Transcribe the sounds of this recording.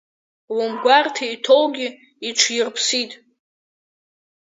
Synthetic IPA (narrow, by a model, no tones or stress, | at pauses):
wʊmɡʷartʰaitʰo̞wɡʲi | iʈ͡ʂʷʰjirpʰsitʼ